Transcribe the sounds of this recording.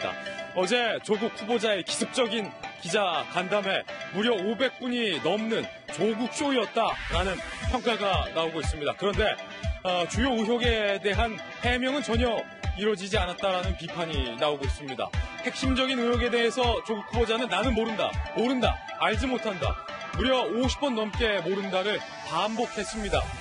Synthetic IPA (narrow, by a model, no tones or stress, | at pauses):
da̰ʌd͡ʑe̞t͡ɕoɡuk̚ʰubod͡ʑae̞ki̥sʰɯp̚t͡ɕ͈ʌɡinkid͡ʑakandame̞muɾjʌobe̞k̚p͈uɲinʌmnɯn | t͡ɕoɡuk̚t͡ɕ͈oiʌt̚t͈ananɯnpʰjʌŋk͈aɡanaoɡois͈ɯmɲidakɯɾʌnde̞ | t͡ɕujoɯɦjoɡe̞de̞ɦan | he̞mjʌŋɯnt͡ɕʌɲʌ | iɾʌd͡ʑid͡ʑianat̚t͈aɾanɯnpipʰaɲinaoɡois͈ɯmɲida̰he̞k̚ɕ͈imd͡ʑʌɡinɯjoɡe̞de̞ɦe̞sʰʌt͡ɕoɡukʰubod͡ʑanɯnːanɯnmoɾɯnda̰moɾɯnda̰ | aɭd͡ʑimotʰanda̰ | muɾjʌoɕʰi̥pʰʌnːʌmk͈e̞moɾɯndaɾɯɭ | pambok̚he̞s͈ɯmɲida̰